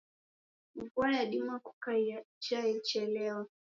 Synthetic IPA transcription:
m̩vuajaɗimaku̥ka | t͡ʃajɛt͡ʃɛlɛwa

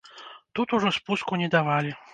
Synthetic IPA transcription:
t̪ut̪uʐɔspuskunʲɛd̪avalʲi

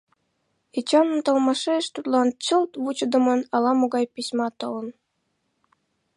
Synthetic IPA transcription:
it͡ɕɑnə̆mt̪ɤlˠmɑʃeəʃt̪ut̪lˠɑnt͡ɕəlt̪βut͡ɕə̆d̪ɤ̆mɤ̆nɑlˠɑmoɡɑjpʲisʲmɑt̪ɤ̆lə̆n

